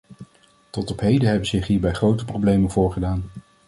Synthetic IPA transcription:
tɔtɔpɦejdəɦɛbənzɪχɦiːɹbɛjχrowtəprowblejmənvʊːɹχədaːn

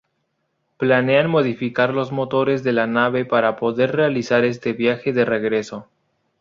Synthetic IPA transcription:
plane̞anmo̞ð̞ifikaɾlo̞zmo̞t̪o̞ɾe̞zðe̞lanaβe̞paɾapo̞ðe̞ɾre̞alisaɾe̞st̪e̞βjaxe̞ðe̞re̞ɣɾe̞so̞

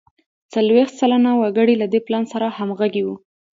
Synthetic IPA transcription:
t͡salwext̪t͡salanawaɡəɽilad̪eplɑnsaɾahamɣaɡiwu

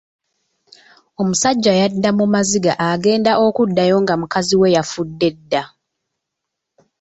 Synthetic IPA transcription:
o̞musaɟːajadːamumaziɡaʔaɡe̞ːndaʔo̞kudːajo̞ŋɡamukaziwe̞jafudːe̞dːa

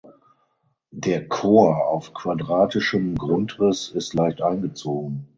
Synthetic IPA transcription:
deːɐkʰoːɐa̰ʊfkʰv̥adʁaːtɪʃəmɡʁʊntʁɪsɪstlaɪçtʔaɪnɡət͡soːɡŋ̩

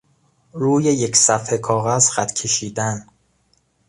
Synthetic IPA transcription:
ɾuːje̞jecsæfhekʰɒːɣæzxæt̪ʰcʰe̞ʃiːd̪æn

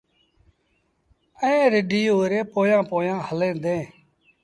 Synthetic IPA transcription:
əẽːɾɪɖiːɦoːɾeːpoːjãːpõːjãːhəlẽːd̪ẽː

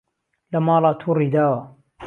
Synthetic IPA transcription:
lɐmɑːlˤɑt̪ʰuːrid̪aːwa

